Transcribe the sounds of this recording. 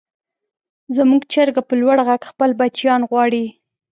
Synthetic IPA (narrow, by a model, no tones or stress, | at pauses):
zəmuɡt͡ʃəɾɡapəlwaɽɣaɡxpəlbat͡ʃjɑnɣwɑɽi